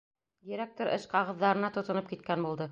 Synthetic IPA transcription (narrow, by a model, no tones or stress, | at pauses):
jɘ̆ɾæk̚t̪oɾʔɤ̰ʃqɑʁɤ̆ðːɑɾɤ̆nɑt̪ŏt̪ŏnɤp̚kit̪̚kænbulˠd̪ɤ